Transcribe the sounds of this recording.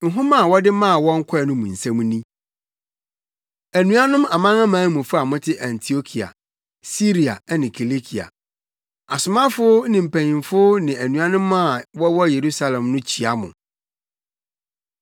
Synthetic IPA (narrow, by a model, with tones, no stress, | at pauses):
ŋ̩˨ɦʊ̃˦mã˦˨wɔ˦dɪ˦mã˦˨wɔ̃˦ŋ̩˦kʰɔ˦˨nʊ̃˦mũ˨n̩˨sæ̃˦m̃˦nĩ˦ | æ˨nũ˦a˦nʊ̃˦ma˨mã˦ŋã˦mãː˨˦mũ˨fʊ˦a˨mʊ̃˦tʰɪ˦ʔã˨ntʰi˨o˦kʰi˨a̰˨ | si˦ɾi˨a̰˨˦nɪ̃˨kʰi˨li˦kʰi˨a̰˨ | a˨sʊ˨mã˦fʊ˦nɪ̃˨m̩˨pʰæ̃˨ɲĩ˨nfʊ˦nɪ̃˨æ˨nũ˨ã˦nʊ̃˦mːã˦˨wɔ˦wɔ˦je˨ɾu˦sa˦lɛ̃˨mnʊ̃˦t͡ɕʰi˨a˦mʊ̰̃˨